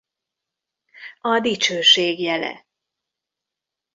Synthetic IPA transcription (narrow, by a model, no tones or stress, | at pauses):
ɒd̪it͡ʃøːʃeːɡjɛlɛ̰